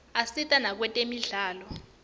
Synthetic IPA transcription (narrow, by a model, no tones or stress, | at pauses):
asitʼanak̬wɛtʼemiɮaːlɔ